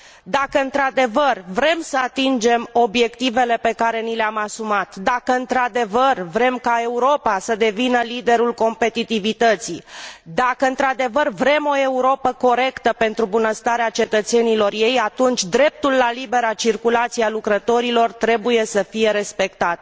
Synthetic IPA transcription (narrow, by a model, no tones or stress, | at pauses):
d̪akəɨnt̪ɾad̪e̞vərvɾe̞msəat̪ind͡ʒe̞mo̞bje̞kt̪ive̞le̞pe̞kaɾe̞nileamasumat̪d̪akəɨnt̪ɾad̪e̞vərvɾe̞mkae̞uɾo̞pasəd̪e̞vinəlid̪e̞ɾulko̞mpe̞t̪it̪ivit̪ət̪sid̪akəɨnt̪ɾad̪e̞vərvɾe̞mo̞e̞uɾo̞pəko̞ɾe̞kt̪əpe̞nt̪ɾubunəst̪aɾeat͡ʃe̞t̪ət̪se̞nilo̞rje̞jat̪unt͡ʃʲd̪ɾe̞p̚t̪ulːalibe̞ɾat͡ʃirkulat̪sialukɾət̪o̞ɾilo̞rt̪ɾe̞buje̞səfije̞ɾe̞spe̞kt̪at̪